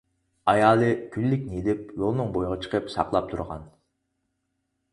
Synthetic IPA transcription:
ɑjɑːlˠɨkʲʰylːykʲnelɪp̚jolˠnɨŋbojʁɑt͡ʃʰə̥qʰəpsɑ̰qlˠɑp̚t̪ʰṵɾʁɑ̰n

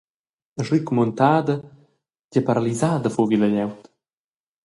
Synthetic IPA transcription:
əʐikmont̪aːd̪ə | ɟəpaɾalizaːd̪əfoviləʎɛwt̪

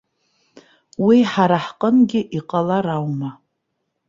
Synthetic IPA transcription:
wiħaɾaħqʼənɡʲɪʔiqʼalaɾawma

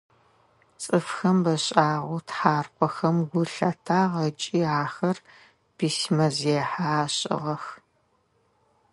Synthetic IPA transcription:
t͡sʼɨfxɐmbɐɕʼaːʁʷʊtħaːrqʷʼɔxɐmɡʷʊɬɐtʰaːʁɐt͡ʃʼiːaːxɐr | b̥ismɐzeːħaːɕʼɪ̰ʁɐx

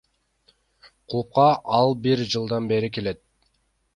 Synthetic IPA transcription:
qʰulˠup̚qɑʔɑlˠbiɾd͡ʒɯlˠd̪ɑnbe̞ɾike̞le̞t̪̚

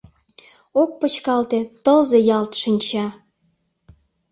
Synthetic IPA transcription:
ok̚pət͡ɕkɑlt̪et̪əlzejɑlt̪ʃinʲt͡ɕɑ

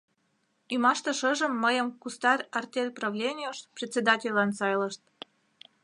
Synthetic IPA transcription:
imɑʃt̪ə̆ʃəʒə̆mːəjəmkust̪ɑrʲɑrt̪ʲelʲprɑvlʲenʲioʃprʲet̪ʲt͡sʲed̪ɑtʲelʲɑnsɑjləʃt̪̚

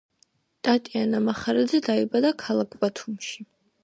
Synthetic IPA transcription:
t̪ʼat̪ʼianamaχaɾad̪zɛd̪aibad̪akʰalˠakʰbat̪ʰumʃi̥

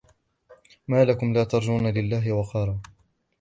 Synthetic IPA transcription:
maːlakʊmlaːt̪ɑɾˤd͡ʒuːnalɪlːaːɦɪwɑqɑɾˤɑː

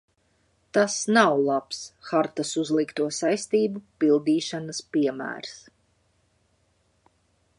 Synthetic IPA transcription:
t̪asnawlˠapsxaɾt̪asuzlˠikt̪uɔsajst̪iːbupilˠd̪iːʃanaspiɛmæ̰ːɾs

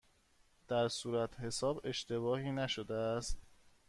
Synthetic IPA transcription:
d̪̥æɾsuːɾæt̪ʰhe̞sɒːbe̞ʃt̪e̞βɒːhiːnæʃod̪eæst̪

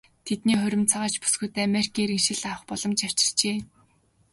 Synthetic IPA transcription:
t̪ʰet̪niːχɵɾʲɪ̆mt͡sʰaʁaːt͡ɕpu̥sɡuːt̪eːamerikʰiːɾĭŋʃɪ̆ɮawə̆χpɔɮɞ̆mt͡ɕaw̥t͡ɕɪ̥̆r̥t͡ɕeː

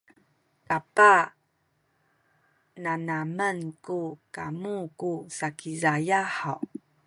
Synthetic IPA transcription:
tapa | nanamənkukamukusakizajaħaw

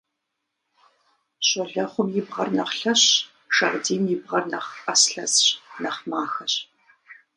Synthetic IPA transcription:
ɕʼɔɮɐχʷʊmjɪbʁɐ̰rnɐχɬɐɕ | ʂɐʁdiːmjɪbʁɐrnɐχɐsɬɐzɕnɐχmaːxɐɕ

